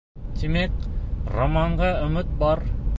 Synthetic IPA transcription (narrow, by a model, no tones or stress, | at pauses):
t̪imekromɑɴɢɑɵ̆mɘt̪̚bɑɾ